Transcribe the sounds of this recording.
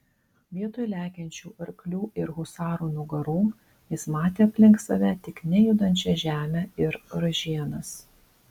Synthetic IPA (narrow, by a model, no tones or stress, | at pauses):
ʋʲiɛt̪ojlʲæːkʲɛnʲt͡ʃʲuːʔɐɾklʲuːʔɪɾɣʊsɑːɾuːnʊɡɐɾuː | jɪsmɑːt̪ʲeːɐpʲlʲɪŋksɐʋʲæt̪ʲɪknʲɛjʊd̪ɐnʲt͡ʃʲɛʒʲæːmʲɛɪɾɾɐʒʲiɛnɐs